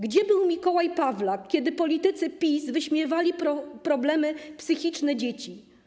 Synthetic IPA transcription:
ɡd͡ʑɛbɘwmʲikɔwajpavlakʲɛd̪ɘpɔlʲit̪ɘt̪sɘpʲisvɘɕmʲjɛvalʲipɔpɾɔblɛmɘpsɘxʲit͡ʂnɛd͡ʑet͡ɕi

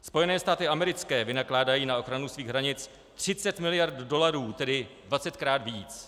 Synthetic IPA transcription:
spo̞jɛnɛːst̪aːt̪ɪʔamɛɾɪt͡skɛːvɪnaklaːdajiːnao̞xɾanusviːɣɦɾaɲɪt͡s | t̪r̝̥ɪt͡sɛt̪mɪlɪjaɾt̪do̞laɾuːt̪ɛdɪdvat͡sɛt̪kɾaːd̪viːt͡s

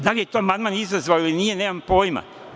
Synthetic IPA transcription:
d̪alije̞t̪oamand̪manizazʋajoilinije̞neːmampojma̰

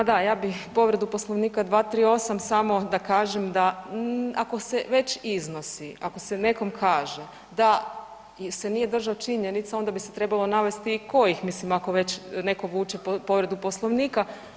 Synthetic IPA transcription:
pad̪ajaːbixpo̞ʋɾe̞d̪upo̞slˠoʋniːkad̪ʋaːt̪ɾiːo̞samsamo̞d̪akaːʒemd̪a | ako̞seʋe̞t͡ʃizno̞siako̞sene̞ko̞mkʰaːʒe | d̪a | senije̞d̪r̩ʒaot͡ʃiɲe̞nit̪sao̞nd̪abiset̪ɾe̞balˠo̞naʋe̞st̪iːko̞jixmislimako̞ʋe̞t͡ɕne̞ko̞ʋuːt͡ʃe̞popo̞ʋɾe̞d̪upo̞slˠoʋniːka

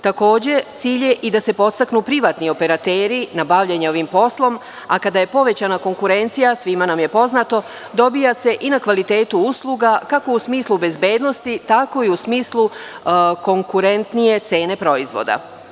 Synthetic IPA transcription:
t̪ako̞ːd͡ʑe̞t̪siːʎje̞ʔid̪ase̞po̞t̪st̪aknupɾiʋaːt̪nio̞pe̞ɾat̪eːɾinabaʋʎe̞ɲeo̞ʋimpo̞slˠo̞m | akad̪aje̞po̞ʋe̞t͡ɕanako̞ŋkuɾe̞nt̪sijasʋimanamje̞po̞znat̪o̞ | d̪o̞bijase̞ʔinakʋalit̪e̞ːt̪uuslˠuɡakako̞usmiːslˠube̞zbe̞ːd̪no̞st̪it̪ako̞iusmiːslˠu | ko̞ŋkuɾe̞nt̪nije̞t̪se̞ːne̞pɾo̞izʋo̰d̪a̰

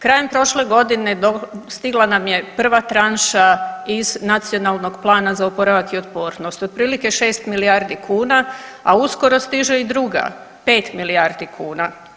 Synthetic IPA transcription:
kɾaːje̞mpɾo̞ʃle̞ɡo̞d̪ine̞d̪ost̪iɡlˠanamje̞pr̩ʋat̪ɾanʃaiznat̪sio̞nalˠno̞ɡplˠaːnazaopo̞ɾaʋakio̞t̪poːɾnost̪od̪̚pɾiːlike̞ʃe̞ːst̪milijaɾd̪ikʰuːnaausko̞ɾo̞st̪iʒeid̪ɾuɡa̰ | pe̞ːt̪miliaɾd̪ikʰuːna

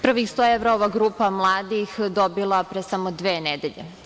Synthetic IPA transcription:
pr̩ʋixst̪oeʋɾaoʋaːɡɾuːpamlˠaːd̪ixd̪obilˠapɾesamod̪ʋeːned̪eʎḛ

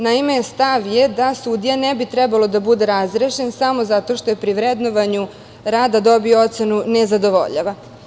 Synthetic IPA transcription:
naime̞est̪aʋjed̪asud̪ijanebit̪ɾɛbalˠo̞d̪abud̪e̞ɾazɾeʃe̞nsamo̞zat̪o̞ʃt̪o̞jepɾiʋɾed̪no̞ʋaɲu | ɾaːd̪ad̪o̞bioo̞t̪se̞nunezad̪o̞ʋo̞̰ʎa̰ʋa

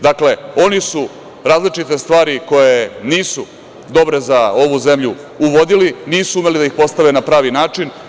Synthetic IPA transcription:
d̪akle̞o̞nisu | ɾaːzlit͡ʃit̪e̞st̪ʋaːɾiko̞jeniːsu | d̪o̞bɾe̞zao̞ʋuze̞mʎu | uʋo̞d̪iliniːsuume̞lid̪aixpo̞st̪aʋenapɾaːʋinaːt͡ʂin

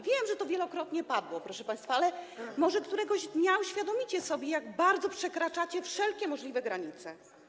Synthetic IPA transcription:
vʲjɛmʐɛt̪ɔvʲjɛlɔkɾɔt̪ɲɛpad̪wɔpɾɔʂɛpaj̃st̪faalɛmɔʐɛkt̪uɾɛɡɔʑd̪ɲauɕfʲjad̪ɔmʲit͡ɕɛsɔbʲjɛjaɡbaɾd̪zɔpʂɛkɾat͡ʂat͡ɕɛfʂɛlkʲɛmɔʐlʲivɛɡɾaɲit̪sɛ

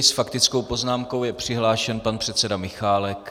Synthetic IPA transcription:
sfakt̪ɪt͡skowpo̞znaːmko̞wjɛpr̝̥ɪɦlaːʃɛnpanpr̥ɛt̪t͡sɛdamɪxaːlɛk

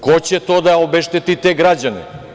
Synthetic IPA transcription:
kot͡ɕɛt̪od̪aobɛʃt̪et̪it̪eɡɾad͡ʑanɛ̰

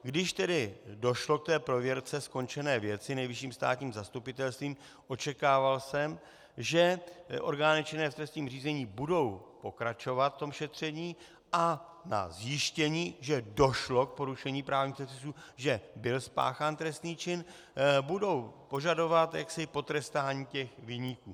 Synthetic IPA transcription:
ɡdɪʃt̪ɛdɪdo̞ʃlo̞k̚t̪ɛːpɾo̞vjɛɾt͡sɛsko̞nt͡ʃɛnɛːvjɛt͡sɪnɛjvɪʃiːmst̪a̰ːt̪ɲiːmzast̪upɪt̪ɛlst̪viːm | ʔo̞t͡ʃɛkaːvalsɛm | ʒɛʔo̞̰ɾɡaːnɪt͡ʃɪnɛːft̪ɾɛst̪ɲiːmriːzɛɲiːbudo̞wpo̞kɾat͡ʃo̞vat̪ft̪o̞mʃɛt̪r̝̥ɛɲiː | ʔa | na̰zjɪʃcɛɲiːʒɛdo̞ʃlo̞k̚po̞ɾuʃɛɲiːpɾaːvɲiːxpɛsɪsuːʒɛbɪlspa̰ːxaːnt̪ɾɛst̪niːt͡ʃɪn | budo̞wpo̞ʒado̞vat̪ja̰ksɪpo̞t̪ɾɛst̪aːɲiːcɛxvɪɲikuː

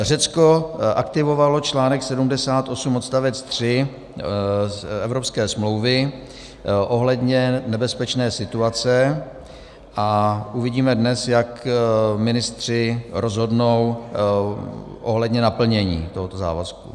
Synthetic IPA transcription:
r̝ɛt͡skoʔakt̪ɪvo̞valo̞t͡ʃlaːnɛksɛdumdɛsaːt̪ʔo̞sumo̞t̪st̪avɛt͡st̪r̝̥ɪ | ɛvɾopskɛːsmlo̞wvɪ | ʔo̞ɦlɛdɲɛnɛbɛspɛt͡ʃnɛːsɪt̪uat͡sɛ | ʔaʔuvɪɟiːmɛdnɛsjakmɪnɪst̪r̝̥ɪɾo̞zɦo̞dnow | ʔoɦlɛdɲɛnapl̩ɲɛɲḭːt̪oɦot̪oza̰ːva̰skṵ

